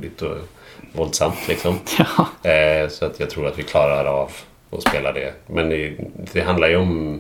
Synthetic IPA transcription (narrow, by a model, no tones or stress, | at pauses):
d̪ɪt̪ɔ̰ | vɔld̪samt̪ʰlɪksɔm | sɔat̪jɑɡt̪ʰɾuːɾat̪vɪkʰlɑːɾaɾav | ɔ̰speːlaɖɛ̰mɛnɛd̪ɛɦand̪laɾjɵɔm